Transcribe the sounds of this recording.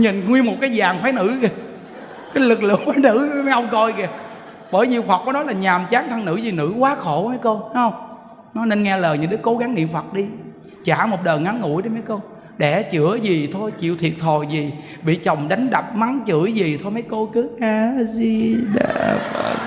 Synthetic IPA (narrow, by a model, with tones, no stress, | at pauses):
ɲi˨˩nŋwi˧nmo˨˩t̚kaː˨˦jzaː˨˩ŋfwaː˨˦nɨ̰˧˥˨ | kaː˨˦jlɨ˨˩k̚lɨ̰˧˨əŋfaː˨˦jnɨ̰˧˥˧ma˨˦jʔə˧wŋ͡mkɔ˧jkɛ˨˩ | ɓəː˧˩jɲḭ˧˨əwfə˨˩t̚kɔ˨˦nɔ˨˦jlaː˨˩ɲaː˨˩mt͡ɕaː˨˦ŋt̪ʰa˧ŋnɨ̰˧˥zi˨˩nɨ̰˧˥kwaː˨˦xo˧˩˦mə˨˦jko˧ha˨˦hə˧wŋ͡m | nɔ˨˦ne˧nŋɛ˧ləː˨˩ɲɨ̰˧˦ŋɗɨ˦˥ko˨˦ɣa˨˦ŋnḭ˧˨əmfə˨˩t̚ɗi˧ | t͡ɕaː˧˩mo˨˩t̚ɗəː˨˩jŋa˨˦nŋṵ˧˥jɗi˧˦ma˨˦jko˧w | ɗɛ˧˩t͡ɕɨ̰˧˩˦əzi˨˩t̪ʰo˧jt͡ɕḭ˧˨əwt̪ʰḭ˨˩ət̚t̪ʰo˨˩jzi˨˩ | ɓḭ˧˨t͡ɕə˨˩wŋ͡mɗa˨˦jŋ̟ɗa˨˩p̚ma˨˦ŋt͡ɕɨ̰˧˩˦jzi˨˩t̪ʰo˧jma˨˦jko˧kɨ˨˦ʔaː˧zi˧ɗa̰˧˩˧